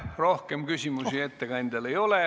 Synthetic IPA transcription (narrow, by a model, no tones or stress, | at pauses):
ro̞hkemkysʲimussiet̪ːekɑnʲd̪elejo̞le